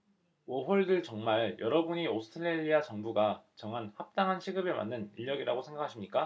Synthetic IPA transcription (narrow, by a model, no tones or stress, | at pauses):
wʌɸoɭdɯɭt͡ɕʌŋmaɭjʌɾʌbuɲiosʰɯ̥tʰɯɾeʎːiat͡ɕʌŋbuɡat͡ɕʌŋɦanhap̚t͈aŋɦanɕʰiɡɯbema̰nːɯniʎːʌɡiɾaɡosʰe̞ŋɡakʰaɕʰimɲik͈a